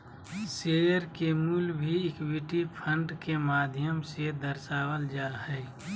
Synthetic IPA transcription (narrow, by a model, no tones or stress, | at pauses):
sejəɾkemuːlbʱiɪkwiʈipʰə̃ɳɖkemaːd̪ʱjəmsed̪əɾʃaːwəld͡ʒaːɦɛː